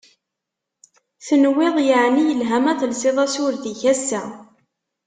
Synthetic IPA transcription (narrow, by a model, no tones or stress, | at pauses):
θənwɪðˤjəʕnijəlɦæmæθlseðˤæsʊɾðiçæsːæ